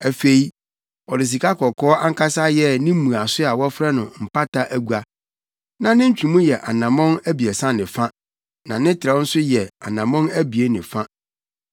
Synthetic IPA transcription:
æ˨fe˨i˦ | ɔ˨dɪ˨s̬i˨kʰa˦kʰɔ˨kʰɔː˦a˦ŋ̩˦kʰa˦sa˦jɛ˦nɪ̃˦mũ˨a˨sʊ˦a˨wɔ˦fɾɛ˦nʊ̃˨m̩˨pʰa˦tʰa˦ʔæ˦ɡu˦a˦ | nã˨nɪ̃˦ɲ̩˦t͡ɕᶣĩ˨mũ˦jɛ˨ʔa˨nã˨mɔ̃˦næ˦bi˨ɛ˨sã˦nɪ̃˨fã˦ | nã˨nɪ̃˦tʰɪ˨ɾa˨˦n̩˦sʊ˦jɛ˨a̰˨nã˨mɔ̃˦næ˦bi˨e˦nɪ̃˨fã˦

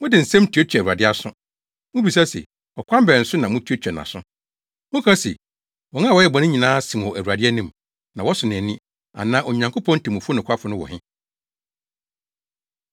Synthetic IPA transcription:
mʊ̃˦dɪ˨n̩˨sɛ̃˦m˦tʰi˨˦o˦t͡ɕᶣɛ˨u˨a˨dɪ˦a˦˨sʊ̃˦ | mʊ̃˦bi˨s̬a˦sɛ̰˨ | ɔ˨kʷʰã˦mbɛ˨n̩˨sʊ˦nã˨mʊ̃˦tʰi˨˦o˦t͡ɕᶣɛ˨nã̰˨sʊ̰̃˦ | mʊ̃˦kʰã˦sɛ̰˨ | wɔ̃˨ŋã˦˨wɔ˨˦jɛ˦bɔ˨nɪ̃˦ɲĩ˨nãː˦sĩ˨m˨wɔ˨ʔæ˨wu˨ɾa˨dɪ˦ɛ˦nĩ˦m | nã˨wɔ˦sʊ˨nɪ̃˨ɛ˨nĩ˦ | a̰˨nãː˦ʔo˨ɲã˨ŋkʰo˦pʰɔ̃˦n̩˦tʰi˨mʊ̃˨fo˦nʊ̃˨kʰʷa˦fʊ˦nʊ̃˦wɔ̰˨hɪ̃˦

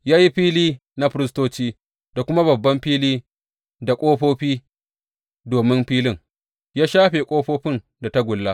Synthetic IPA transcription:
jaː˦ji˦ɸiː˦liː˦ | na˦ɸɪ˦ɾɪ˦s̬toː˦t͡ʃiː˦ | d̥a˨kʷʊ˦ma˦βɐ˨bːɐ˦mɸiː˦liː˦ | da˨kʷʼoː˦ɸoː˦ɸiː˦ | doː˨mɪ˦mɸiː˦lɪ˦ŋ | jaː˦ʃaː˦ɸeː˨kʷʼoː˦ɸoː˦ɸɪ˦n | da˨ta˦ɡʷʊ˨lːa˦

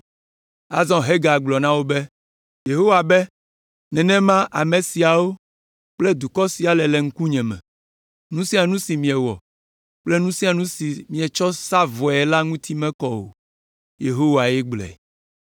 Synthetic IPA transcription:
a̰˨zɔ̃˦ɦe˦ɡa˨ɡ͡blɔ˨nã˦wo˦bɛ˦ | je˨ɦo˦wa˨bɛ˦ | nɛ̃˨nɛ̃˦mã˦ʔa˨mẽ˨si˨a˨wo˦ | k͡plɛ˦d̪u˨kɔ˦si˨a˨lɛ˨lɛ˨ŋ̩˦ku˦ɲɛ̃˨mɛ̰̃˨ | nũ˦sĩ˦a˨nũ˦si˨mĩ˨ɛ˨wɔ̰˨ | k͡ple˦nũ˦si˦a˨nũ˦si˨mĩ˨ɛ˨t͡ʃɔ˦sa˦vɔ˨ɛ˨la˦ŋũ˦t̪ʰi˦mɛ̃˦kɔ˦wo̰˨ | je˨ɦo˦wa˨jɛ˦ɡ͡blɛ̰˨

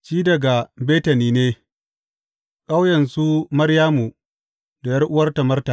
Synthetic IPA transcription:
t͡ʃiː˦dɐ˨ɡa˨beː˦tɐ˨niː˦neː˦ | kʼa˦wjɐ˨nsu˦mɐ˦ɽjaː˦mu˨ | da˨jɐ˦rʔʊ˦wɐ˦rta˨mɐ˦rtaː˨

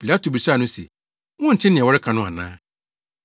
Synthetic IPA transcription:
pʰi˨la˦tʰo˨bɾi˨sa˦˨nʊ̃˦sḛ˨ | wɔ̃˦n̩˨t͡ɕʰɪ̃˦nɪ̃˨ɛ˨ɔ˦ɾɪ˦kʰa˨nʊ̃˦a̰˨nã̰ː˦

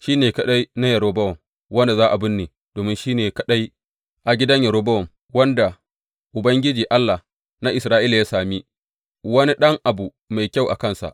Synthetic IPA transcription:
ʃiː˦neː˨kɐ˨ɗa˦jna˦jɐ˨ɾoː˦bɐ˦wɔ˨m | wɐ˦nda˨zaː˦ʔa˨bɪ˦nːeː˨ | d̥oː˨mɪ˦nʃiː˦neː˨kɐ˨ɗa˦j | ʔa˨ɡʲɪ˦dɐ˦ɲjɐ˨ɾoː˦bɐ˦wɔ˨m | wɐ˦nda˨ | ʔʊ˨bɐ˦ŋɡʲɪ˦d͡ʒiː˨ʔa˦lːa˨h | na˦ʔɪ˨sɾaː˦ʔiː˦la˨jaː˦saː˨mi˦ | wɐ˦ni˦ɗɐ˦ŋʔa˨bu˨ | ma˨jkʲa˦˨wʔa̰˨kɐ˦nsa̰˨ʔ

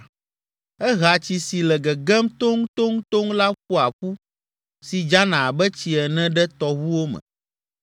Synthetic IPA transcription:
ɛ˦ɦa˨t͡ɕi˨si˨lɛ˨ɡɛ˨ɡɛ˦mt̪o˦ŋ˦t̪o˦ŋ˦t̪o˦ŋla˦ɸu˦a˨ɸu˦ | si˨d͡ʒa˦nã˨bɛ˦t͡ɕi˨ɛ˨nɛ̃˦ɖɛ˦t̪ɔ˨wu˦wo˦mɛ̰̃˨

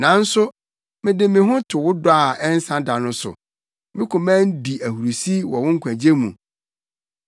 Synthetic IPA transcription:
nã˨˦n̩˦sʊ˦ | mɪ̃˨dɪ˨mɪ̃˨ɦʊ̃˦tʰʊ˨wʊ˦dʊ˦a˦˨ɛ˦n̩˦sã˦da˨nʊ̃˦sʊ̰˨ | mɪ̃˦kʰʊ̃˨mæ̃ː˦n˦di˨æ˨hu˨ɾu˨si˦wɔ˨wʊ̃˦ŋ̩˦kʷʰæ̃˨d͡ʑe˦mṵ̃˨

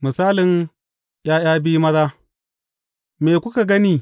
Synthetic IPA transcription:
mɨ˨saː˦lɪ˨n | j̰aː˦j̰aː˦bi˦mɐ˦ðaː˦ | meː˨kʷʊ˦ka˨ɡɐ˦niː˦

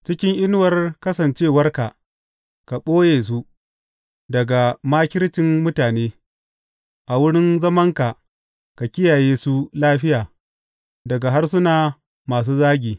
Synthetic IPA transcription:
t͡ʃɪ˦kʲɪ˦ŋʔɪ˦n˦wɐ˨rkɐ˦sɐ˨nt͡ʃeː˦wɐ˦rka˨ʔ | ka˨ɓoː˦jeː˨s̬u˦ | dɐ˨ɡa˨maː˦kʲɪ˦ɾt͡ʃɪ˨mmʊ˦taː˨neː˦ | ʔa˨wʊ˦ɽɪ˦nzɐ˦mɐ˦ŋka˨ | ka˨kʲɪ˦jaː˨jeː˦su˦laː˦ɸɪ˦jaː˨ | dɐ˨ɡa˨ɦa˦rs̬ʊ˦naː˨ | maː˨s̬uː˦zaː˦ɡʲiː˨

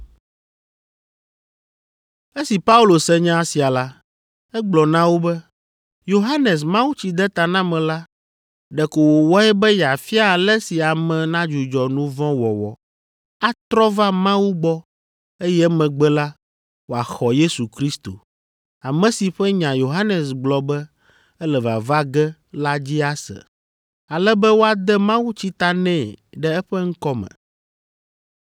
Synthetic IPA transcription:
e˦si˨pa˦u˦lo˨sɛ˦ɲã˦si˨a˨la˦ | ɛ˦ɡ͡blɔ˨nã˦wo˦bɛ˦ | jo˨ɦa˦nɛ˨s̬mã˦wu˦t͡ɕi˨d̪ɛ˦t̪a˨nã˦mɛ̃˨la˦ | ɖɛ˨ko˨wo˨wɔ˦ɛ˦bɛ˦ja˨fi˦a˦˨lɛ˦si˨a˨mɛ̃˨nã˦d͡ʒu˨d͡ʒɔ˨nũ˦vɔ̃˦wɔ̰˨wɔ̰˨ | a˦t̪ɾɔ˦va˦mã˦wu˦ɡ͡bɔ˦ | e˦jɛ˦mɛ̃˨ɡ͡bɛ˦la˦ | wo˨a˨xɔ˨je˦su˨kɾi˦st̪o̰˨ | a˨mɛ̃˨si˨ɸɛ˦ɲã˨jo˨ɦa˦nɛ˨sɡ͡blɔ˨bɛ˦ | ɛ˦lɛ˨va˨va˦ɡɛ˦la˦d͡ʑi˦a˦sɛ̰˨ | a˨lɛ˦bɛ˦wo˦a˨d̪ɛ˦mã˦wu˦t͡ɕi˦t̪a˦nɛ̃˦˨ɖɛ˦ɛ˦ɸɛ˦ŋ̩˦kɔ˦mɛ̰̃˨

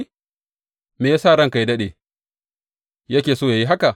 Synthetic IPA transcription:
meː˨ja˦saː˦˨ɽɐ˦ŋka˨ji˦dɐ˦ɗeː˨ | jɐ˦kʲeː˨soː˦˨ja˨ji˦ɦa˦ka˨

